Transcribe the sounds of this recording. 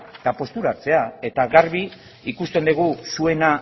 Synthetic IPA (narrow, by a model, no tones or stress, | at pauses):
et̪apo̞st̪uɾaɾt͡se̞ae̞t̪aɣaɾβi | ikust̪e̞nd̪eɣ̞usue̞na